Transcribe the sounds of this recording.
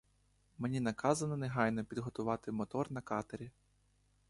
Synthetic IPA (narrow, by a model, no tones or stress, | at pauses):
menʲinɐkɑzɐnɔneɦɑjnɔpʲid̪ɦɔt̪ʊʋɑt̪ɪmɔt̪ɔrnɐkɑt̪ɐɾʲi